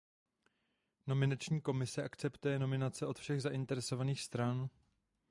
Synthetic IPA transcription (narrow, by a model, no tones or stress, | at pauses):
no̞mɪnat͡ʃɲiːko̞mɪsɛʔakt͡sɛpt̪ujɛno̞mɪnat͡sɛʔo̞t̪fʃɛɣzaʔɪnt̪ɛɾɛso̞vaniːxst̪ɾan